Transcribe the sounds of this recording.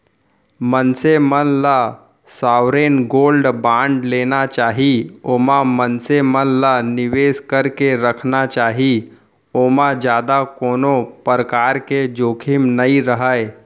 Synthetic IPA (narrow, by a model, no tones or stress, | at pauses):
mənsemənla | saːwɾeːnɡoːlɖbãːɳɖleːnat͡ʃaːɦioːmãmənsemənlanɪʋeːskəɾkeɾəkʰnat͡ʃaːɦi | oːmãd͡ʒjaːd̪akoːnopɾəkaːɾked͡ʒoːkʰɪmnəiɾəɦəe